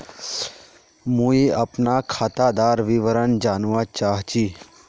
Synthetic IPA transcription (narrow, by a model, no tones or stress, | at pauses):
mũːiɐpnakʰaːt̪ad̪aːɾʋiʋəɾənd͡ʒaːnʋat͡ʃaːɦt͡ɕiː